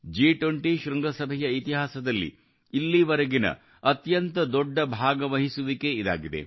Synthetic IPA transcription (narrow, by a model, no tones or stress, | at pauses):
d͡ʒiːʈwoɳʈiʃɾɐŋɡɐsɐbʱɛjɐit̪iɦaːsɐd̪ɐlːḭː | lːiʋɐɾɐɡinɐ̰ | ɐt̪jɐnt̪ɐd̪ɔɖːɐbʱaːɡɐʋɐɦisuʋike̞id̪a̰ːɡid̪e̞̰